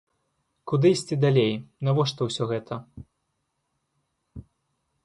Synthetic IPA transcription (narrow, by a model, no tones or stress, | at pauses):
kud̪ɨjsʲt͡sʲid̪alʲejnavɔʂt̪ɐwsʲɔɣɛt̪ʰɐ